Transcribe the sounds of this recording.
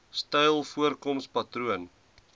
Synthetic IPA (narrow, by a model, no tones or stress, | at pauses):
stɛjlˠfuərkɔmspɐtruən